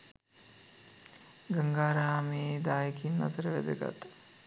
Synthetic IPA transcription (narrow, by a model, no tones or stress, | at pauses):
ɡəŋɡaːɾaːmeːd̪aːjəkʰinːa̰t̪əɾəʋæ̰d̪əɡa̰t̪